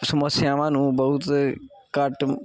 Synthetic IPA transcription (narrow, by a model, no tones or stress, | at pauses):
sɐmɐsjãːʋãːnũːbɐɦut̪kaʈ